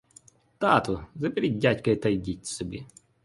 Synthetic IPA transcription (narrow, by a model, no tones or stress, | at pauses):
t̪ɑt̪ʊzɐpʲɪɾʲit̚ʲdʲatʲkɐjt̪ɐjdʲitʲsɔbʲi